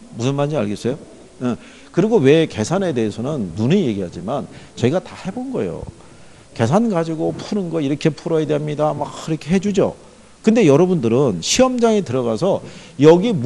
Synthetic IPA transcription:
musʰɯnmand͡ʑia̰ɭɡes͈ʌjo | e | kɯɾiɡowe̞ke̞sʰane̞de̞esʰʌnɯnːunije̞ɡiɦad͡ʑimant͡ɕʌiɡatahe̞bonɡʌḛjo̰ | ke̞sʰanɡad͡ʑiɡopʰuɾɯnɡʌiɾʌkʰe̞pʰuɾʌjadeamɲidamakiɾʌkʰe̞ɦe̞d͡ʑud͡ʑo̰ | kɯnde̞jʌɾʌbundɯɾɯnɕʰiʌmd͡ʑaŋitɯɾʌɣasʰʌ | jʌɡim

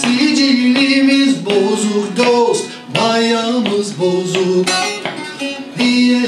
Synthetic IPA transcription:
sid͡ʒijlimizbozuɾd̪os | b̪ɑjɑmɯzbozuɾ | d̪iɛ

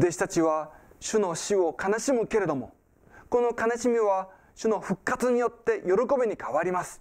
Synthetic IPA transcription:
d̪e̞ɕi̥t̪at͡ɕiβaɕɨno̞ɕio̞kanaɕimɯ̟ke̞ɾe̞d̪o̞mo̞̰ | ko̞no̞kanaɕimʲiβa | ɕɨno̞ɸɯ̟kːat͡sɨɲ̟ijo̞t̪ːe̞jo̞ɾo̞ko̞bʲiɲ̟ikʰaβaɾʲimasɨ̥

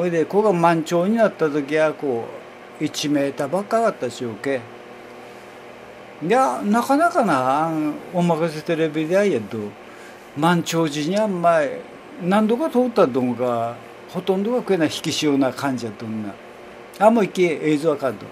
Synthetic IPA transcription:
oed̪ekoɡamãɲt͡ɕo̞ːɲ̟inat̪ːat̪ok̬ʲiako | it͡ɕimeːt̪abakːakat̪ːaɕioke | d̪eanakanakana | omakas̬et̪eɾebid̪eaiad̪o | mãɲt͡ɕoːʑiɲiamːai | nãnd̪o̞kat̪oːt̪ːad̪õŋɡa | hot̪õ̞nd̪oɡakɯ̟enaçi̥kʲiɕioːnakʰãɲ̟d͡ʑiad̪õnːa̰ | amoikːeezɨβakad̪o̰

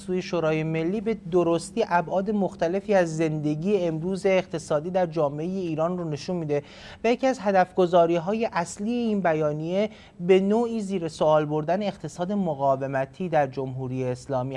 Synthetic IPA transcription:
suːje̞ʃoːɾɒːjeme̞lːiːbe̞d̪oɾo̞st̪iːʔæbʔɒːd̪emoxt̪æle̞fiːæzːe̞nd̪e̞ɟiːjeːmɾuːze̞ːqt̪ʰe̞sɒːd̪iːd̪æɾd͡ʒɒːme̞e̞je̞iːɾɒːnrone̞ʃunmiːd̪e̞ | væjecʰiæzɦæd̪æfɡ̥o̞zɒːɾiːɦɒːje̞ʔæsliːeiːnbæjɒːnije̞ | be̞noːiːziːɾesoɒːlbo̞ɾd̪æne̞ːqt̪ʰe̞sɒːd̪e̞moɣɒːve̞mæt̪ʰiːd̪æɾd͡ʒo̞mɦuːɾije̞ːslɒːmi

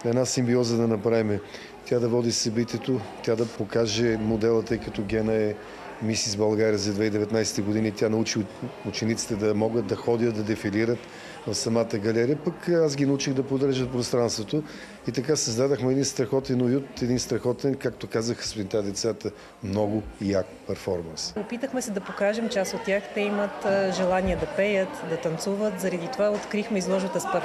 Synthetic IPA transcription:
ɛd̪nasimbiɔzəd̪ɐnɐpɾavimɛ | t̪ʲad̪ɐvɔd̪isɐbit̪ʲɛt̪ot̪ʲad̪ɐpokaʒɛmod̪ɛlˠət̪ɤjkət̪ɔɡʲɛnəɛ | misizbɐlˠɡaɾiəzɐd̪vɛid̪ɛvɛt̪najsɛ̥t̪ɛɡod̪init̪ʲjanɐut͡ʃiut͡ʃɛnit̪si̥t̪ɛd̪ɐmɔɡət̪̚d̪ɐxɔd̪ʲjət̪̚d̪ɐd̪ɛfiliɾət̪ | vɐfsɐmat̪əɡɐlɛɾiəpəkazɡʲinɐut͡ʃiɣd̪ɐpod̪əɾʒət̪̚pɾost̪ɾanst̪vot̪o | it̪ɐkasɐzd̪ad̪oxmɛd̪inst̪ɾɐxɔt̪ɛnojut̪ɛd̪inst̪ɾɐxɔt̪ɛnkak̚t̪okazəxə̥spint̪ad̪ɛt̪sat̪ə | mnɔɡʊiakpɛɾfɔɾmɐnsopit̪əxmɛsɛd̪ɐpokaʒɛmt͡ʃɛasot̪̚tːʲaxt̪ɛimət̪ːʒɛlˠaniəd̪ɐpɛjət̪d̪ɐt̪ɐnt̪suvət̪zɐɾɐd̪it̪ovaot̪kɾixmɛizlˠɔʒvət̪əspə

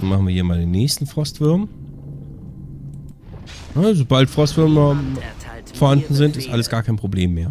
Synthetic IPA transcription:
maχn̩viɐhiːɐmaːldeːnːɛːçstn̩fʁ̥ɔstv̥ɪɐm | nazobaltfʁ̥ɔstv̥ɪɐm | foɐhandn̩zɪntɪstʔaləsɡ̥aːɐkʰaɪnpʁ̥obleːmːeːɐ

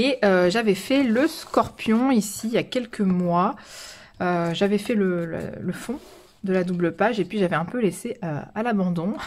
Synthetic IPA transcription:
eøʒavɛfɛləskɔʁpjɔ̃isijakʲɛlkʰəmwa | øʒavɛfɛləl̰ləfɔ̃ | d̪əlad̪ubləpaʒepɥiʒavɛɛ̃pøleseø̰alabɑ̃d̪ɔ̃

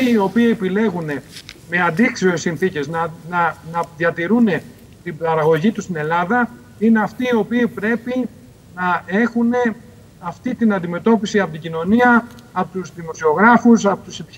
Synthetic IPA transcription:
iio̞piiepile̞ɣune̞me̞ɐnd̪ikseoesːinθice̞znnɐnɐðjɐt̪iɾune̞ | t̪ibɐɾɐɣo̞ʝit̪ust̪ine̞lɐðɐ | ine̞ɐft̪iːo̞piːpɾe̞pi | nɐe̞xune̞ | ɐft̪it̪inɐnd̪ime̞t̪o̞pisiɐpo̞t̪iɟino̞niɐpot̪uzðimo̞sio̞ɣɾɐfus̬ɐpot̪usepi

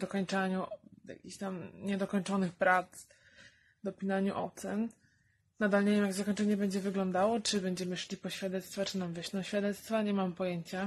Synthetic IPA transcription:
d̪ɔkɔɲt͡ʂaɲuja̰kʲiɕt̪amɲɛd̪ɔkɔɲt͡ʂɔnɘxpɾat̪s | d̪ɔpʲinaɲuʔɔ̰t̪sɛn | nad̪alɲevʲjeɛmjaɡzakɔɲʲt͡ʂɛɲɛbɛɲd͡ʑɛvɘɡlɔnd̪awɔt͡ʂɘbɛɲd͡ʑɛmɘʂlʲipɔɕfʲjad̪ɛt̪st̪fat͡ʂɨnamvʲɛʂnɔɕfʲjad̪ɛt̪st̪faɲɛmampɔjeɲt͡ɕa

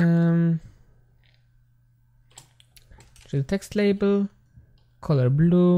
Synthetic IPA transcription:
əm | ʃidt̪ʰɛkst̪leɪbəl̩ | kʰɔləɹbluː

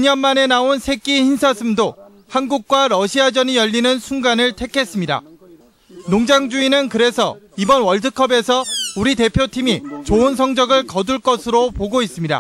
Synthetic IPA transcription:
iɲʌnmane̞naonsʰek͈içinsʰasʰɯmdo | hanɡuk̚k͈waɾʌɕʰiad͡ʑʌnijʌʎːinɯnsʰuŋɡanɯɭtʰe̞kʰe̞s͈ɯmɲida̰ | noŋd͡ʑaŋd͡ʑuinɯnkɯɾe̞sʰʌibʌnwʌɭtʰɯkʰʌbe̞sʰʌuɾite̞pʰjotʰimit͡ɕoɯns̬ʰʌŋd͡ʑʌɡɯɭkʌduɭk͈ʌsʰɯɾopoɡois͈ɯmɲida̰

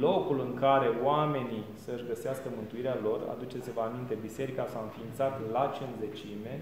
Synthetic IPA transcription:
lo̞kulɨŋkaɾe̞oame̞nisəɨʃɡəseaskəmɨnt̪uiɾealo̞ra̰d̪ut͡ʃesevəamint̪e̞bise̞ɾikasawɨnfiːnt̪sat̪lat͡ʃinze̞t͡ʃime̞

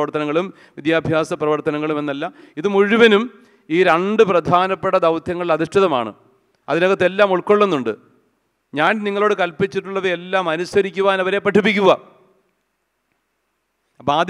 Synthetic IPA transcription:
ɐrt̪ɐnɐŋːɐɭum | ʋid̪jaːbʱjaːsɐprɐʋɐrt̪ɐnɐŋːɐɭume̞nːɐlːɐ | iðɨmuɻuʋɐnum | iːɾɐɳɖɨprɐd̪ʱaːnɐpːeʈːɐd̪ɐwt̪ʰjɐŋːɐɭilɐðiʂʈiðɐma̰ːɳɨ̰ | ɐðinoɣɐt̪ːelːaːmuɭkːo̞ɭːenːuɳɖɨ | ɲaːnniŋːɐɭoːɽɨkɐlpit͡ɕːiʈːuɭːɐʋeelːaːmɐnusɐɾikʲːuʋaːnɐʋɐɾe̞ːpːɐʈʰːup̬ːikʲːuɣɐ | ɐbaːd̪

